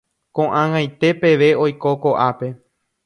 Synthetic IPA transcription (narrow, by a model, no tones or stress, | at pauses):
kõʔãŋãjt̪e̞pe̞ʋe̞o̞jko̞koʔape̞